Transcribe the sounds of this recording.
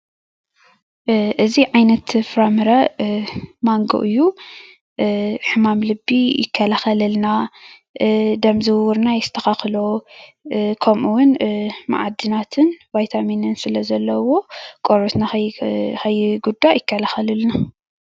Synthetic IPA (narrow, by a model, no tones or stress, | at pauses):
ʔɨziʕajnɐt̪fɾamɨɾɐ | maŋɡo̰ʔɨjːu | ħɨmamlɨbːijɪkʰːɐlaxɐlɐlna | d̪ɐmzɨwwʊɾnajɪst̪ʰɐxaxlo | kʰɐmʔuwʊnma̰ʕad̪ːɨnat̪ʰɨnvajt̪ʰaminɨnsɨlɐzɐlːɐwo̞kʼoɾt̪na | xʰɐjːɡud̪ːajɪkʰːɐlaxɐlɨlna